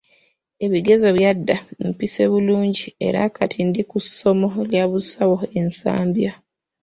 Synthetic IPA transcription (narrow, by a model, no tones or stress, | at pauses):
e̞βiɡe̞zo̞βjadːampiseβuluːɲɟie̞̰ɾa̰kʰatʰindikuso̞mo̞ljaβusawo̞e̞nsa̰ːmbja